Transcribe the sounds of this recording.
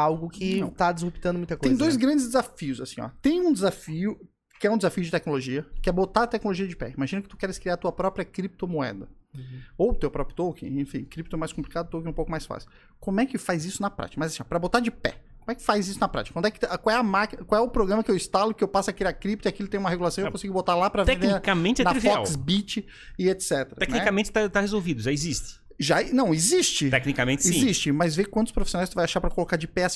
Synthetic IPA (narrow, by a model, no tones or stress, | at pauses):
awɡʊkʰɪ̃w̃t̪ad̪ɪzʁupi̥t̪ɐ̃nd̪ʊmũj̃t̪ɐkoẽz̃j̃d̪ojzɡɾɐ̃nd͡ʒɪzd̪ɪzafiʊzasĩ̥ɲɔ̰t̪ẽj̃ũd̪ɪzafiʊ | kɪɛũd̪ɪzafijʊd͡ʒɪt̪ɛknoloʒiɐkɪɛbot̪aɾt̪ɛkɪnoloʒiɐd͡ʒɪpɛ̰imaʒĩnʊkɪt̪ukɛɾɪskɾiaɾt̪uɐpɾɔpɾiɐkɾip̚t̪omoɛ̰d̪ɐ | owt̪ewpɾɔpɾjʊt̪okɪ̰̃ẽfĩkɾip̚t̪ʊɛmajskõplikad̪ʊt̪owkɪũpowkʊmajsfa̰sɪ̥ | kõmɛkɪfajzisʊnɐpɾa̰t͡ʃikɐmɐzasĩɔpɾɐbot̪aɾd͡ʒɪpɛ̰kõmʊɛkɪ̥fajzisʊnɐpɾa̰t͡ʃikɐ̃d̪ʊɛkɪkwawɛɐmakiɐkwawɛʊpɾoɡɾɐ̃mɐkɪewist̪alʊkɪewpasʊɐkiɾakɾip̚t̪ʊiakilʊt̪ẽumɐɦeɡulasɐ̃w̃ekõsiɡʊbot̪alapɾɐvɛ̃d̪ekɐmẽnt͡ʃ̪ɪɛnɾvfɔawsbit͡ʃɪ | ɪet̪sɛt̪eɾɐɛnk̪niɛkamẽnt͡ʃɪ̥t̪at̪ahezowvid̪ʊʒaezist̪ɪ̥ | ʒanɐ̃w̃izist͡ʃɪt̪ɛknikɐmẽt͡ʃɪiĩzist͡ʃɪmɐzvekwɐ̃nt̪ʊ̥spɾofi̥sonajst̪uvajaʃaɾpɾɐkolokaɾd͡ʒɪpɛɐs